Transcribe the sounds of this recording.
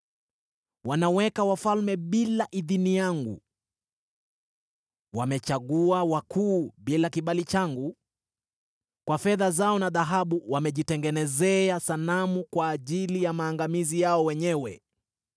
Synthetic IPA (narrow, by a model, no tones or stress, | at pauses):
wanawɛkawafalmɛɓilaʔiðinijaŋɡṵ | wamɛt͡ʃaɠuawakʰuːɓilakiɓalit͡ʃaŋɡu | kwafɛðazaɔnaðaɦaɓuwamɛʄitɛŋɡɛnɛzɛasanamukwaːʄilijamaːŋɡamizijaɔwɛɲɛwɛ̰